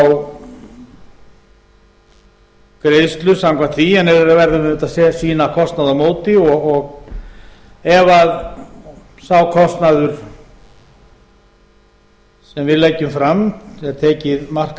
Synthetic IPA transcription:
w | kɾest̪lʏsamkʰvant̪ʰiɛnːɛɾɛɾavɛɾðʏɪnʏt̪asɛsiːnakʰɔst̪naðamoːwt̪ɪɔɣɔɣ | ɛvað | sawkʰɔst̪naðʏɾ̥ | sɛmvɪðlɛcːʏmfɾamɛt̪ʰɛːcɪðmar̥k

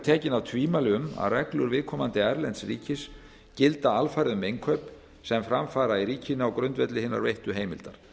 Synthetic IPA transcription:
t̪ʰɛːcɪnawt̪ʰviːmalɪʏma̰ðrɛklʏɾvɪðkʰɔːmant̪ɪɛɾlɛnsrḭːcɪs | cɪlt̪aalfaːɾɪðmejŋkʰœːp | sɛmfɾamfaːɾaiɾiːcʰɪnaɔwkɾʏnt̪vɛt̪lɪhɪnːa̰ɾvejht̪ʏɦejmɪ̰lt̪aɾ̥

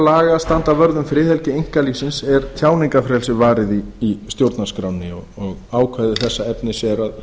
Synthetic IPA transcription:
laːɣast̪ant̪avœɾðʏmfɾɪːθɛlcɪejŋ̥kalisɪnsɛɾ̥θjaːwniŋkafɾɛlsɪvaːɾɪðiːst̪jowɾt̪naskɾawnːɪɔɣɔɣaːwkʰvaðɪθɛsːaɛpnɪsjɛɾað

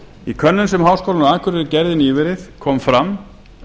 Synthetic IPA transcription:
ikʰœnːʏnsɛmɦawskowlanaːkʰʏɾɪɾɪɾcɛɾðɪniːvɪɾɪθkʰɔːmfɾam

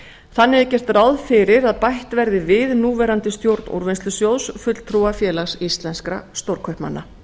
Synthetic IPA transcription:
θanːɪɛɪcɛr̥t̪rawðfɪɾɪɾaðpajht̪vɛɾðɪvɪðnuːvɛːɾant̪ɪst̪jowɾt̪nṵɾvɪnst̪ʏsjowðsfʏt̪lt̪ʰɾuafjɛːlaxsist̪lɛnskɾa̰st̪owɾkʰœhpma̰nːa

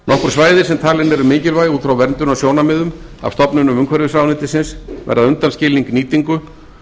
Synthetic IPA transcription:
nɔhkʏɾ̥svaːjðɪɾ̥sɛmt̪ʰaːlɪnɛɾʏmɪːcɪlvaːjuːt̪θfɾawvɛɾnt̪ʏnawsjoːwnamɪðʏm | a̰v̥st̪ɔpnʏnʏmʏŋkʰvɛɾðɪfɾaːwnɪːt̪ɪsɪnsvɛ̰ɾðaðʏnt̪anscɪːliŋkniːt̪iŋkʏ

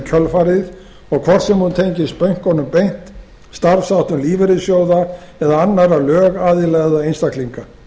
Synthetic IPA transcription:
cʰœlfaɾɪð | ɔɣkʰvɔr̥t̪sɛmhunt̪ʰejɲcɪst̪pœɥŋ̥kɔnʏmpejn̥t̪ | st̪aɾfsawht̪ʏmliːvɛɾɪðsjowða | ɛðaanːaɾalœːɣaːðɪlɛɣðaejnst̪akliŋka

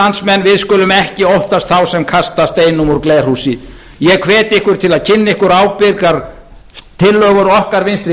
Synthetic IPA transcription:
ansmɛnːvɪðskʏːlʏmɛhcɪowht̪ast̪θawsɛmkʰast̪ast̪eːjnʏmuɾkler̥husɪ | jɛkʰvɛːt̪ɪɪhkʏɾ̥t̪ʰɪlaðcʰɪnːɪhkʏɾaːwpɪkaɾ̥ | t̪ʰɪlːœːɣʏɾɔhkaɾvɪnst̪ɾɪ

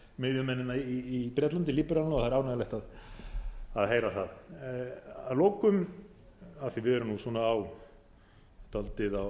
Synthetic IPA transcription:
mɪðjʏmɛnːɪnaiːpɾjɛt̪lant̪ɪliːpɪɾalnɔθaðɾawnaalɛht̪að | aðɦejɾaθað | aloːwkʏm | aðθivɪɛɾʏmnusɔːnaːw | t̪ʰalt̪ɪðaw

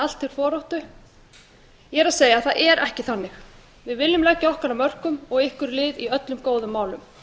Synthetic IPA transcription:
al̥t̪θɪɾ̥fɔːɾɔwht̪ʏ | jɛɾaðseːjaθaðʔɛɾʔɛhcɪθanːɪx | vɪðvɪlːʏmlɛcːaɔhkaɾamœr̥kʏmɔɣɪhkʏɾlɪːðiœt̪lʏmkoːwðʏmːaːwlʏm

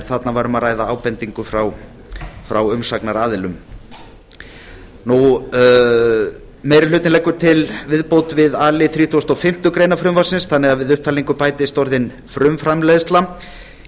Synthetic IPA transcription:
θat̪navaːɾʏmaðraːjðaaːwpɛnt̪iŋkʏfɾaw | fɾawʏmsaknaɾaːðɪlʏm | nu | mɛjɾɪlʏːt̪ɪnlɛjkːʏɾt̪ʰɪlvɪðpowt̪vɪðaːlɪθɾiːt̪ʰuast̪ɔfɪm̥t̪ʏkɾejnafɾʏmvasɪnsθanːɛɣaðvɪðʏhp̚t̪ʰaːliŋkʏpaːjt̪ɪst̪ɔɾðɪn | fɾʏmfɾamlɛjðst̪la

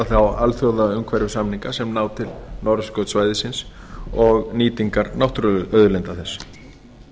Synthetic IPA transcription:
aθawa̰lθjowðaʏmkʰvɛɾjʏsamniŋkasɛmnaːwt̪ʰɪlnɔɾskœwt̪svaːjðɪsɪns | ɔɣniːt̪iŋkaɾnawht̪ɾœðʏlɛnt̪aθɛs

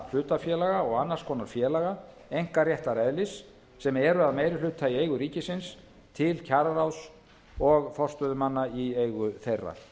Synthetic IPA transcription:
l̥ʏːt̪afjɛːlaɣaɔɣanːaɾ̥skʰɔːnaɾfjɛːlaɣa | ejŋ̥karjɛht̪aɾɛðlɪsː | ɛmɛɾʏaðmejɾɪlʏːt̪ʰːaiejɣʏɾiːcɪsɪns | t̪ʰɪlcʰaɾraws | ɔɣfɔr̥st̪œðʏmanːaieːjɣʏθejrːa̰̥

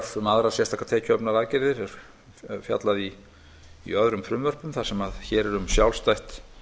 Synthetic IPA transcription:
θʏmaðɾaðsjɛrst̪ʰahkːḁt̪ʰɛːcʰœpnaɾaːðcɪɾðɪɾɛɾ̥ | fja̰t̪laðḭː | œðɾʏmfɾʏmvœr̥pʏmθḁsɛmaðçɛɾɛɾʏmsjawlst̪ajht̪

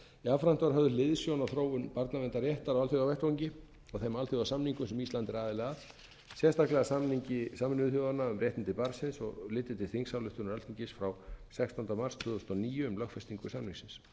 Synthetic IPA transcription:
iafɾan̥t̪ɔɾhɦœvðʏlɪðsjownawθɾoːwʏmpaɾt̪namɛnt̪arjɛht̪aɾawalθjoɣawvɛht̪owɲcɪ | ɔɣθɛmalθjowɣasamniŋkʏsɛmist̪lant̪ɪɾaːðɪlɛːɣað | sjɛst̪aklɛɣasamniɲcɪsamɪnʏθjowðanaʏmɾrjɛjht̪ɪnt̪ɪpaɾsɪnsɔ̰ɣlɪːt̪ɪt̪ʰɪ̥θiŋksawlʏht̪ʏnʏɾɛlt̪ʰiɲcɪsfɾawsɛkst̪ɔnt̪amar̥st̪ʰʏðst̪ɔniːjʏːmlœxkfɛst̪iŋkʏsamniŋksɪns

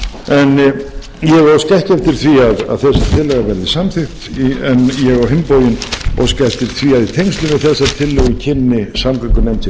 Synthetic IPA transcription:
ɛn | jɛɣascɛhcɛft̪ɪɾ̥θviaða̰ðθɛsːḁt̪ʰɪlɛɣavɛɾðisamθɪxt̪iɛnjɛɣvawɦɪmpoːwjɪnɔ̰wscɛft̪ɪɾ̥θʰviaðit̪ʰejŋst̪lʏnɪθɛsat̪ʰɪlːɛɣicʰɪnːɪsamkakʏnɛjmt̪ɪ

